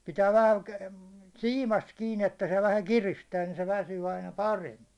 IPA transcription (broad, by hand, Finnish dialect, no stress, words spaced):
pitæː ʋæhæ siːmɑst kiːn etːæ se ʋæhæ kiristæː ni se ʋæsyː ɑinɑ pɑremːi